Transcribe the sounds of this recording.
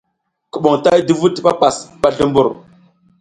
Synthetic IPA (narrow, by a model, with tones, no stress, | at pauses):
kə˨ɓo˨ŋta˦jdi˦vu˦tɓa˦pa˨sɓa˦ɮu˦mbu˦˨ɾ